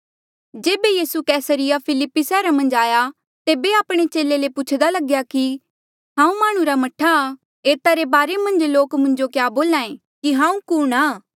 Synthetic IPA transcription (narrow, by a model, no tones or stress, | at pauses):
d͡ʒeːbejiːsukɛːsəɾɪjapʰɪlɪpːisɛːɾamɐ̃nd͡ʒaːja | t̪eːbeaːpɽ̃et͡ʃeːlelepʊt͡ʃʰd̪alɐɡjaki | ɦãːũmaːɽ̃ũɾamɐʈʰa | eːt̪aɾebaːɾemɐ̃nd͡ʒloːkmʊ̃nd͡ʒokjaːboːlãːẽ | kiɦãːũkʊɽaː